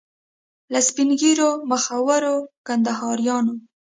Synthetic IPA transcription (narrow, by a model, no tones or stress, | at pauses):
laspinɡiɾoməxawaɾokand̪aɦɑɾjɑno